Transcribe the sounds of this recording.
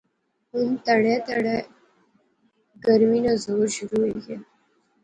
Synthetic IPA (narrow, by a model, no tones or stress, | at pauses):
ɦunt̪əɽat̪əɽa | ɡəɾminəd͡zoɾɕuɾuje